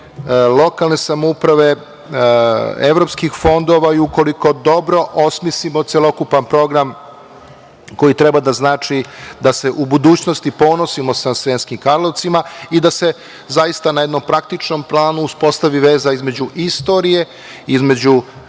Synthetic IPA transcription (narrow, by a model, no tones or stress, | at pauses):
lˠo̞kalne̞samoupɾaʋe̞ | ḛʋɾo̞pskixfo̞nd̪o̞ʋaiuko̞liko̞d̪o̞bɾo̞ʔo̞smislimo̞t̪sjelˠo̞kupampɾo̞ɡɾam | ko̞jit̪ɾe̞bad̪aznaːt͡ʂid̪ase̞ʔubud̪uːt͡ɕnost̪ipo̞no̞simosasʋenskimkaɾlˠoʋt̪simaid̪ase̞ | zaist̪anajed̪no̞mpɾak̚t̪it͡ʂno̞mplˠaːnuːspo̞st̪aʋiʋe̞ːzaizme̞d͡ʑuʔist̪o̞ɾije̞ | izme̞d͡ʑu